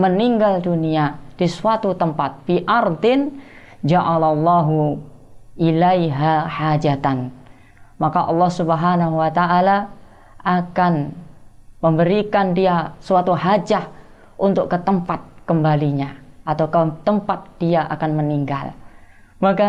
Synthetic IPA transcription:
məniŋɡalduniad̥isuat̪ut̪əmpat̪̚fiʔɑrd̪ɪn | d͡ʒaʔalalːɑɦu | ʔilajɦaħad͡ʒat̪an | makaʔɑlːɑhsubəɦanaɦuwat̪aʔːla | ʔakan | məmbəɾikandiasuat̪uɦad͡ʒah | ʔunt̪ʊkːət̪əmpat̪̚kəmbaliɲaʔat̪awkət̪əmpat̪̚d̥iaʔakanməniŋɡa̰l | maka

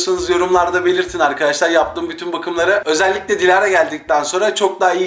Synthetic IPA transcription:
sanɯzjo̞ɾumlˠaɾd̪abe̞lʲiɾst̪ʰinaɾkʰad̪aʃlˠaɾjap̚t̪ʰɯːmbyt̪ʰynbakʰɯmlˠaɾɯø̞zɛlʲːicʲlʲɛd̪ilʲaɾɛɟælʲd̪ic̚t̪ʰænso̞nɾat͡ʃʰo̞k̚d̪aːij

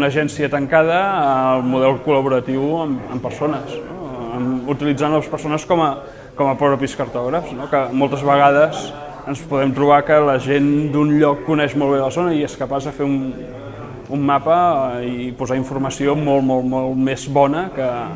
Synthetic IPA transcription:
nəʒɛnsiət̪əŋkað̞əːlˠmuðɛlˠkuləβuɾət̪iwəməmpəɾsonəsnoəmut̪ilid͡zanləspəɾsonəskɔmə | kɔməpɾɔβɾəpiskəɾt̪ɔɣɾəfznokəmɔlˠt̪əzβəɣ̞að̞əz | ənspuðɛmt̪ɾuβakələʒend̪unʎɔkːunɛʃmɔlˠβ̞eləzonəieskəpazðəfeun | umːapəipuzaiɱfurməsiomɔlˠmɔlˠmɔlˠmezβɔnəkə

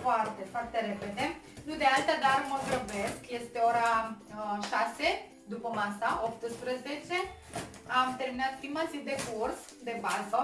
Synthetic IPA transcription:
foart̪efoart̪eɾeped̪e | nud̪ealt̪ad̪arməzɾəbeskjest̪eoɾa | ʃase | d̪upəmasaʔop̚t̪ɨspɾəzet͡ʃe | amt̪erminat̪kimasid̪ekurs | d̪ebazə

